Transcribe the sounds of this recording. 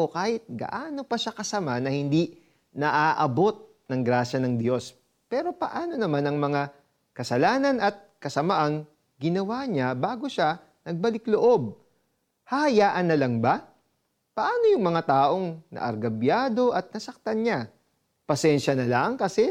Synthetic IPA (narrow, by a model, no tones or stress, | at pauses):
okaːhɪt̪̚ɡɐ̰ʔaːno̞pɐʃakɐsɐmanɐhɪnd̪i | nɐʔaːʔɐbo̞t̪̚ | nɐŋɡɾaːʃɐnɐŋd̪jo̞s | pɛːɾo̞pɐʔaːno̞nɐmanɐŋmɐŋa | kɐsɐlaːnɐnʔɐt̪̚kɐsɐmaʔɐŋ | ɡɪnɐwaɲabaːɡo̞ʃa | nɐɡ̚bɐlɪkloʔo̞b̚ | hɐhɐjaːʔɐnːɐlɐŋba | pɐʔaːno̞jʊŋmɐŋat̪aːʔo̞ŋnɐ̰ʔɐ̰ɾɡɐbjaːd̪o̞ʔɐt̪̚nɐsɐk̚t̪ɐnɲa | pɐsɛnʃɐnɐlaŋkɐsɛ